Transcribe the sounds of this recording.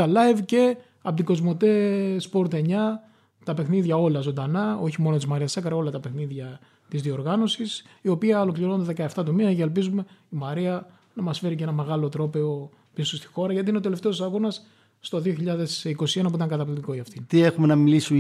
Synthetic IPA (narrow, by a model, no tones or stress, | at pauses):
t̪ɐlɐevce̞ | ɐpot̪iɡo̞zmo̞t̪e̞spo̞ɾt̪eɲɐ | t̪ɐpe̞xniðʝɐo̞lɐzo̞nd̪ɐnɐo̞çimo̞not̪izmɐɾiɐsɐkɐɾɐo̞lɐt̪ɐpe̞xniðʝɐ | t̪izðioɾɣɐno̞sisio̞piɐo̞lo̞kliɾo̞nnd̪eðe̞kɐeft̪ɐt̪omiɐceːlpizume̞imɐɾiɐ | nɐmɐsfe̞ɾic̬ee̞nɐme̞ɣɐlo̞t̪ɾo̞pe̞o̞ | pisost̪i̥xo̞ɾɐʝɐt̪ineot̪ele̞ft̪e̞osɐɣo̞nɐsː | t̪o̞ðio̞çiʎɐðe̞siko̞sie̞nɐpuit̪ɐŋɡɐt̪ɐplit̪iko̞iɐft̪int̪iexumenɐmilisu